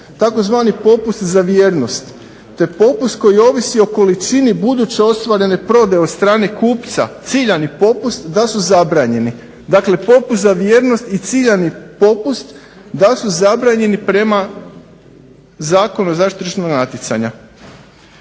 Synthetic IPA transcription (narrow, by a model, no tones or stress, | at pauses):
t̪ako̞zʋaːnipo̞pust̪zaʋjeːɾno̞st̪ː | e̞po̞pust̪ko̞jio̞ʋisio̞ko̞lit͡ʃinibud̪ut͡ɕeost̪ʋaɾe̞ne̞pɾo̞d̪e̞ost̪ɾaːne̞kuːpt̪sa̰t̪siʎanipo̞pust̪d̪asuzabɾaːɲe̞ni | d̪akle̞po̞pust̪zaʋjeːɾno̞st̪it̪siːʎanipo̞pust̪ | d̪asuzabɾaːɲe̞nipɾe̞ma | zaːko̞nuzaʃt̪it͡ʃenoɡnat̪jet̪sa̰ɲa